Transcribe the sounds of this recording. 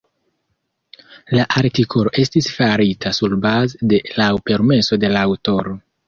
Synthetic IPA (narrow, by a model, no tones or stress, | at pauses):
laʔaɾtikʰo̞lo̞ʔe̞stisfaɾitʰasulbazede̞lawpe̞ɾme̞so̞de̞laːwto̞ɾo̞